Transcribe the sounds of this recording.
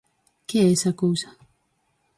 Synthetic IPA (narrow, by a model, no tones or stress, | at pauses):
keɛsakoːsḁ